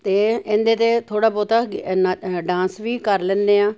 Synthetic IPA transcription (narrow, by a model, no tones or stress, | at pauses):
t̪eːɪnd̪eːt̪eːt̪ʰoːɽaːpɔːt̪aː | ɖãːnsʋiːkəɾlɛ̃ːndeːaː